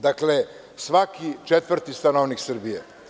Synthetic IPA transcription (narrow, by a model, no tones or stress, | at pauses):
d̪akle | sʋakit͡ʂet̪vr̩t̪ist̪anoʋniksr̩bije